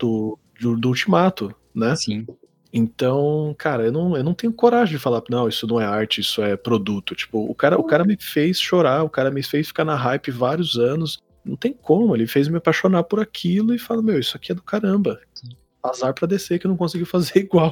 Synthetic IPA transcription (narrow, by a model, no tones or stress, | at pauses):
d̪̥ʊ | d͡ʒʊd̪ʊut͡ʃimat̪ʊ | nɛsĩ | ẽnt̪ɐ̃w̃kʰaɾɐewnɐ̃w̃ewnɐ̃w̃t̪ẽɲʊkoɾaʒẽj̃d͡ʒɪfalanɐ̃w̃isʊnɐ̃w̃ɛaɾt͡ʃɪisʊɛpɾod̪ut̪ʊt͡ʃi̥pʊʊ̰kaɾɐʔʊkaɾɐmɪfejsʃoɾaʊkaɾɐmɪfejsfi̥kanɐɦajpɪvaɾiʊzɐ̃nʊs | nɐ̃w̃t̪ẽj̃ʊkʰõmʊelɪfejzmɪapajʃonapʊɾakʰilʊɪfalɐmewisʊakiɛd̪ʊkaɾɐ̃mbɐsi | azaɾpɾɐd̪eseɾkɪewnɐ̃w̃kõs̬iɡiʊfazeɾiɡwaw